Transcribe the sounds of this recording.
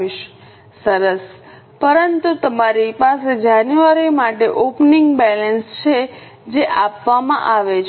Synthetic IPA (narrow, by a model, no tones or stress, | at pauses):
iʃ | səɾəs | pəɾənt̪ut̪əmaɾipased͡ʒanjuaɾimaʈeʔopniŋɡbɛlənst͡ʃʰe | d͡ʒeʔapʋamã̰ʔaʋet͡ʃ